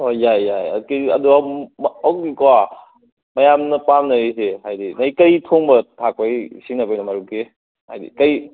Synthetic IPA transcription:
ojajːaja̰kɐ̰duamawk̚dikowa | majamnɐpamnɐɾisehajdinajkɐjtʰoŋbɐtʰak̚pajsinɐpajnɐmaɾuke | ha̰jdḭkɐj

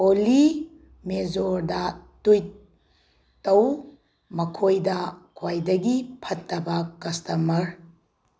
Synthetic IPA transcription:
oli | mezoɾdɐtuj | tːɐw | mɐkʰojdɐkʰwajdɐɡipʰɐtːɐbɐkɐstɐmɐɾ

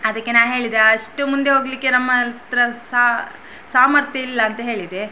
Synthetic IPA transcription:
ɐd̪ɐkːenaːʋɦe̞ːɭid̪eɐʂʈumund̪e̞ɦoːɡlikːe̞nɐmːɐt̪ɾɐa | saːmɐɾt̪jɐilːɐːnt̪ɐɦe̞ːɭid̪e

